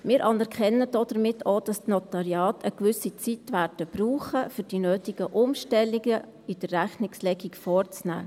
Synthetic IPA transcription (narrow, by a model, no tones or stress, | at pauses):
mɪːɾʔɑnɛɾkχɛnːəd̥ɔd̥̪əɾmɪtʰoːd̥ɑstnɔt̪ɑɾjɑːtʰəkʋʏsit͡sitʋæːɾd̥əb̥ruːχəfʏd̥inøːtiɡ̥əʔʊmʃtɛliɡə | id̥ərːæχnɪkslɛɡikfɔːrt͡snæ̰ː